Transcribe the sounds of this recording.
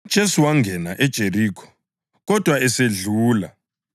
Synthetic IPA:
d̥ʒ̥ʱesuwaŋɡʱɛnaʔɛd̥ʒ̥ʱeriːkʰɔ̥ | ɣɔd̥ʱwaɛseɮuːla

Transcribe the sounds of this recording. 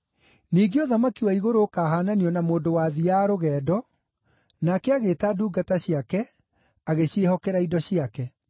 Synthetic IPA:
niːɡeoðamakiwaiɣoɾoːkaːɦaːnaniɔnamoːndowaðiaɾoɣɛːdɔ | nakɛaɣeːtaduːɡataɕiakɛ | aɣeɕehɔkɛɾaidɔɕiakɛ

